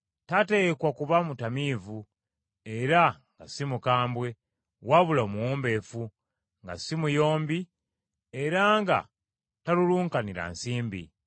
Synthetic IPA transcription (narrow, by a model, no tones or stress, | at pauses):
tate̞kwakuβamutamivu | e̞ɾaŋɡasimukaːmbwe̞ | waβulomuwoːmbe̞fu | ŋɡa̰simujo̞ːmbi | eɾaŋɡa̰ | taluluːŋkaniɾa̰nsiːmbḭ